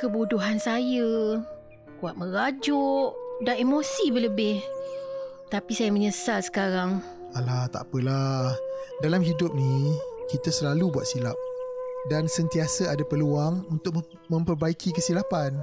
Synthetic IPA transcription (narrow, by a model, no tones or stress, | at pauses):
kəbuduɦansajə | kuaʔ̪̚mə̃ɾad͡ʒʊʔdanemosibələbɪh | t̪apisajaməɲəsalsə̥kaɾaŋ | alaht̪a̰pəlahdalamɦidʊp̚nikit̪asəlalubuat̪̚silap̚dansənt̪iasəadapəluaŋunt̪ʊk̚ | mə̃mpərbaikʰikəsilapan